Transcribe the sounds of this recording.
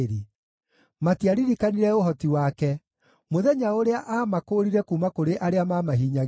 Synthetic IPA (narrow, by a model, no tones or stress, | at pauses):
ɾi | matiaɾiɾikaniɾɛoɦɔtiwaːkɛ | moðɛɲaoɾeaʔaːmakoːɾiɾɛkumakoɾeʔaɾeamamaɦiːɲaɣ